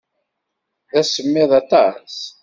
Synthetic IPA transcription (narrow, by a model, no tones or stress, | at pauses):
ðæsəmːɪðˤɑt̪ˤɑs